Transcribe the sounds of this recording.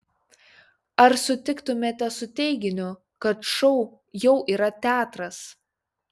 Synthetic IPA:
ɐɾsʊt̪ʲɪkt̪ʊmʲeːt̪ʲɛsʊt̪ʲɛɪɡʲɪnʲʊ | kɐt̪ʃɔʊ | jɛʊʔiːɾɐt̪ʲæːt̪ɾɐs

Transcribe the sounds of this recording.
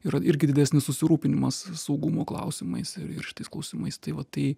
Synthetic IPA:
iːɾɐʔɪɾʲɡʲɪd̪ʲɪd̪ʲæsʲnʲɪssʊsʲɪɾuːpʲɪnʲɪmɐssɐʊɡʊmoːklˠɐ̰ʊsʲɪmɐɪsɪɾɪ̰ʃʲɪ̥t̪ɐɪsklˠɐʊsʲimɐɪst̪ɐɪʋɐt̪ɐɪ

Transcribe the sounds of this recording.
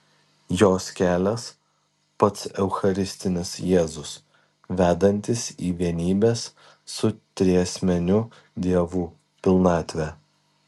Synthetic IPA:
joːskʲæːlʲɛs | pɐt̪sɛʊxɐɾʲɪsʲt̪ʲɪnʲɪsjeːzʊs | ʋʲæːd̪ɐnʲt̪ʲɪsiːʋʲiɛnʲiːbʲeːsː | ʊt̪ʲɾʲiɛsʲmʲɛnʲʊ | d̪ʲiɛʋuː | pʲɪlˠnɑːt̪ʲʋʲɛː

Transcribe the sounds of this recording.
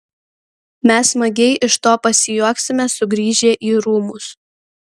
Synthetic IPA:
mʲɛsmɐɡʲɛɪʔɪʃt̪oːpɐsʲɪjuɔksʲɪmʲɛsʊɡɾʲiːʒʲeːʔiːɾuːmʊs

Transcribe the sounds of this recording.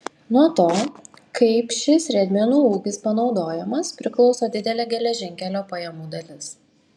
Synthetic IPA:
nuɔt̪oː | kɐɪpʃʲɪsʲɾʲɛd̪ʲmʲɛnuːuːɡʲɪspɐnɒʊd̪oːjɛmɐspʲɾʲɪklˠɒʊsoːd̪ʲɪd̪ʲɛlʲeːɡʲɛlʲɛʒʲɪŋʲkʲɛlʲoːpɐjɛmuːd̪ɐlʲɪs

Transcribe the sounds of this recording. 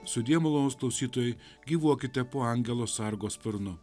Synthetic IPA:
sʊd̪ʲiɛmʊlˠonːsklˠɐʊsʲiːt̪oːjɛɪ | ɡʲiːʋuɔkʲɪt̪ʲɛpoːɑˑŋʲɡʲɛlˠoːsɑɾɡoːspʲɪɾnʊ

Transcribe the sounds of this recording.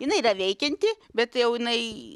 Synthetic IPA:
jɪnɐɪirɐʋʲɛɪkʲɛnʲt̪ʲɪ | bʲɛt̪jɛʊjɪnɐɪ

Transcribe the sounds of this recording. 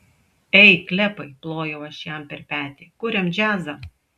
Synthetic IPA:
ɛɪklʲɛpɐɪplˠoːjɛʊɐʃjæmpʲɛɾʲpʲæːt̪ʲeːkʊɾʲɛmd͡ʒʲæːzɐ

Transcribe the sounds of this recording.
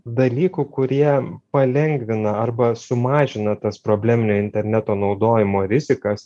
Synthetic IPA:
d̪ɐlʲiːkuːkʊɾʲiɛpɐlʲɛŋʲɡʋʲɪnɐɐrbɐsʊmɑːʒʲɪnɐt̪ɐspɾoːbʲlʲæːmʲɪnʲoːɪnʲt̪ʲɛɾʲnʲæt̪oːnɒʊd̪oːjɪmoːɾʲɪzʲɪkɐs

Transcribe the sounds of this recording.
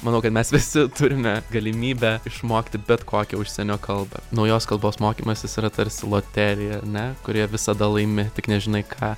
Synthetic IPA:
mɐnɐʊkɐt̪mʲɛsʋʲɪsʲɪt̪ʊɾʲɪmʲɛɡɐlʲɪmʲiːbʲɛɪʃmoːkʲɪt̪ʲɪbʲɛt̪kʰoːkʲɛʊʃʲsʲɛnʲoːkɐlˠbɐ̰nɐʊjoːskɐlˠboːsmoːkʲiːmɐsʲɪsiːɾɐt̪ɐɾʲsʲɪlˠoːt̪ʲæːlʲɪjɛɐɾnʲɛkʊɾʲiɛʋʲɪsɐd̪ɐlˠɐɪmʲɪt̪ʲɪknʲɛʒʲɪnɐɪkʰɑː

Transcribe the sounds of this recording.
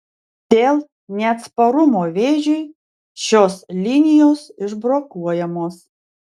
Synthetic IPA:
d̪̥ʲeːlˠ | nʲɛɐt̪spɐɾʊmoːʋʲeːʒʲʊɪ | ʃʲoːslʲɪnʲɪjoːsɪʒbɾoːkuɔjɛmoːs

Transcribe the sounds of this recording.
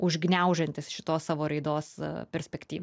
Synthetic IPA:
ʊʒʲɡnʲɛʊʒɛnʲt̪ʲɪsʃʲɪt̪oːssɑːʋoːɾɐɪd̪oːspʲɛɾʲsʲpʲɛkt̪ʲiːʋʲ

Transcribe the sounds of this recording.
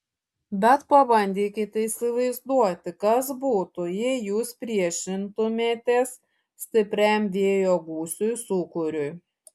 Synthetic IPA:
bʲɛt̪pɐbɐnʲd̪ʲiːkʲɪt̪ʲisʲɪʋɐɪzd̪uɔt̪ʲɪkɐsbuːt̪ʊjɛɪjuːspʲɾʲiɛʃʲɪnt̪ʊmʲeːt̪ʲes | sʲt̪ʲɪpʲɾʲɛmʲʋʲiɛjoːɡuːsʲʊjsuːkʊɾʲʊj

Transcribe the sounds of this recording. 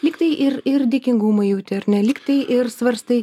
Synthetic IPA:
lʲɪːkt̪ɐɪʔɪɾɪɾd̪ʲɪːkʲɪŋɡumɐɪjɛʊt̪ʲɛɾʲnʲɛlʲɪːkt̪ɐɪʔɪɾsʋɐɾst̪ɐɪ

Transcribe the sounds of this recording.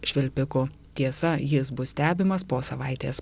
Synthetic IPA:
ʃʲʋʲɪlʲpʲɪkʊ | t̪ʲiɛsɐjɪsbʊssʲt̪ʲæːbʲɪmɐspoːsɐʋɐɪt̪ʲeːs

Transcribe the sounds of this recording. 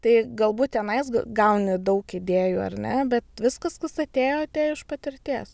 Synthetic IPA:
t̪ɐɪɡɐlˠbuːt̚ʲt̪ʲɛnɐɪsɡɡɐʊnʲɪd̪ɐʊkɪd̪ʲeːjuːɐ̰rʲnʲɛbʲɛt̪ʋʲɪskɐskɐsɐt̪ʲeːjoːɐt̪ʲeːɪʃpɐt̪ʲɪɾʲt̪ʲeːs

